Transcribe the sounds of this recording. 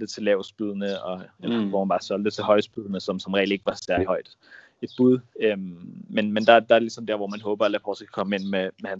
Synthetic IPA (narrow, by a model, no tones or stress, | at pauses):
d̥ət͡sʰe̝lɛʊsb̥yð̞̰ˠənəɒ̽elɐhfɒmænbɑ̈ːsɒ̽l̰d̥ət͡sʰe̝hɒ̽ɪsb̥yð̞ˠnəsɒ̽msɒ̽mʁɛ̰ːl̥e̝ɡ̥əʋɑ̈sæɐlihɒ̽ɪ̰d̥ | e̝d̥̚b̥uð̞ˠømmenmend̥ɑ̈æd̥ɑ̈æɐelisɒ̽mdeɐ̰ʋɒmænɦɔ̽ːb̥ɐælæfʰɒsɡ̥ʰæ̥kʰɒ̽məe̝n̰memehæn